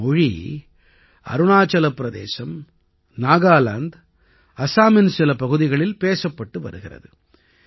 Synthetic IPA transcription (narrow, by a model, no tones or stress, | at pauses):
ɔɻḭ | ɐ̰ɾɯɳaːt͡ʃɐlɐpːɾɐðḛːsɐm | naːɣaːla̰ːnd̪ | ɐsaːmɪnsɪlɐpɐɣɯðɪɣɐɭɪlpeːsɐpːɐʈːɯʋɐ̰ɾɯɣɪrɐ̰ðɯ